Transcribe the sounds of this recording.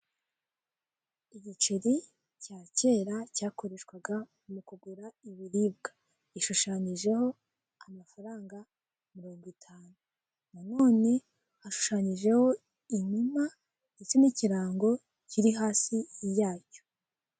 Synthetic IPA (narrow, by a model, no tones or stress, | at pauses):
iɟit͡ʃeɾi | caːce̞ːɾacaːko̞ɾe̞ʃkwaɡa | mukuɡuɾaiβiɾiːbɡḁ | iʃuʃaɲiʒe̞ho̞ | amafaɾaːŋɡa | miɾoːŋɡitʰaːnu | nano̞ːne̞ | haʃu̥ʃaːɲiʒe̞ho̞ | iɲuma | ndet͡seniciɾaːŋɡo̞ | ciɾiɦaːsijaːco̥